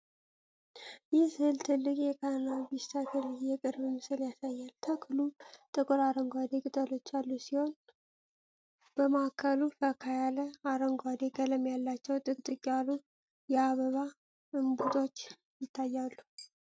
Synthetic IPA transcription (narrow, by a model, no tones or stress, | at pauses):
jɪhsɨhɨlt̪ʰɨlːɨkʼjɛkʰanabist̪ʰakʰɨljɛkʼɨɾβɨmɨsɨljasajːalt̪ʰakʰlut̪ʼɨkʼoɾaɾəŋɡʷad̪e̞kʼɨt̪ʼəlo̞t͡ʃːalːusiho̞n | b̥əmakʰːəlubʰəkʰajaləaɾəŋɡwad̪e̞kʼələmjalːat͡ʃːɛwt̪ʼɨkʼt̪ʼɨkʼalu | jɛaβəβa | ɨmbut̪ʼo̞t͡ʃː | jɪt̪ʰːajːalːu